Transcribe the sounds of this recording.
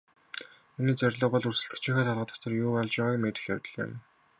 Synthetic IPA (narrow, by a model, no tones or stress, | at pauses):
uniːt͡sæɾʲɮʊːpɔɮursɘ̆ɮt̪ɘ̆kʰt͡ɕʰiːxæːt̪ʰaɮʁə̆t̪ɔ̥̆t̪ɞ̆rjuːɔɮt͡ɕpæːʁaːkmːeːt̪ɘ̆xjæwʲt̪ə̆ɮɪ̰̆m